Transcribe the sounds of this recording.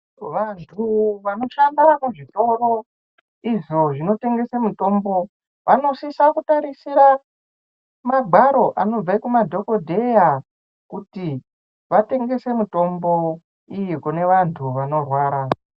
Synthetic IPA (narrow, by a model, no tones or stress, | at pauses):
ʋantʰuʋano̞ʃandaameʐito̞ro̞ | iʐo̞ʐino̞te̞ŋɡe̞semuto̞mbo̞ | ʋʔano̞sisakutaɾisiɾa | maɡʱaɾo̞ʔano̞b͡vaikumadʱo̞ko̞dʱe̞ja | kuti | ʋate̞ŋɡe̞se̞muto̞mbo̞ | ijikune̞ʋantʰuʋano̞rwaːɾa